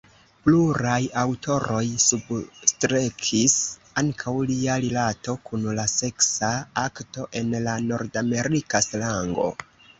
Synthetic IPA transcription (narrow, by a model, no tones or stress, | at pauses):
pluɾajawtʰo̞ɾo̞jsubstɾekʰis | aŋkʰawliaɾilato̞kunlase̞ksaakto̞ʔe̞nlano̞ɾdame̞ɾikaslaŋɡo̞̰